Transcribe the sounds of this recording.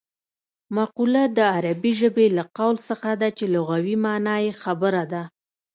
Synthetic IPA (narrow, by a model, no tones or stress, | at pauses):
maqulad̪əaɾabiʒəbelaqawlsəxad̪at͡ʃeloɣawimɑnɑjexabəɾad̪a